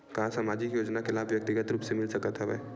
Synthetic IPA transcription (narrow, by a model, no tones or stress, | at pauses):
kɐɦãsamaːd͡ʒɪkjoːd͡ʒnaxɪlaːfʋjɐk̚t̪ɪɡət̪ɾuːpsemɪlsɐkət̪ɦɛʋɛ̰ː